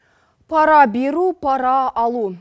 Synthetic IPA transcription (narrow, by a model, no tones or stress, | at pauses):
pʰɑɾɑbeɾupʰɑɾɑɑlˠu